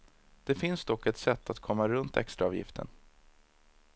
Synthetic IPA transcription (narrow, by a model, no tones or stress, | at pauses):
d̪̥ɛfɪnsd̪ɔkːɛt̪sɛt̪ʰːat̪kʰɔmːaɾɵnt̪ʰɛ̰kst̪ɾaɑːvjɪ̰ft̪ʰə̰n